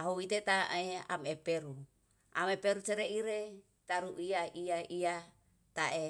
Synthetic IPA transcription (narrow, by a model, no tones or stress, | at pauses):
aɦoit̪et̪aʔea̰mepeɾu | a̰mepeɾut͡ʃeɾeiɾe | t̪aɾuʔiaʔiaia | t̪aʔe